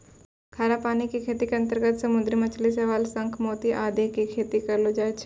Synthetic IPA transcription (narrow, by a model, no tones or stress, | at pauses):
kʰaːɾapaːnikikʰeːt̪ikeɐ̃nt̪əɾɡət̪sɐmʊd̪ɾimɐt͡ʃʰliseʋaːlsɐ̃ŋkʰmoːt̪iʔaːd̪ekikʰeːt̪ikɐɾlod͡ʒaːt͡ʃʰ